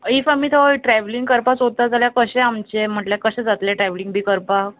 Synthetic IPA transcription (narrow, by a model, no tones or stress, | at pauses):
ifamiːt̪ʰoʈɾɛʋliŋɡ̚kəɾpat͡sot̪ːad͡zaljakəɕɛamt͡ɕem̤əʈljakəɕɛ̃d͡zat̪ljaʈɾɛʋlĩŋɡ̚bʱiːkəɾpa